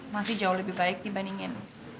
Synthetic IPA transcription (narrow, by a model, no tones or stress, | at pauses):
masɪhd͡ʒaʊɦləbɪhbaɪk̚dibaniŋɪn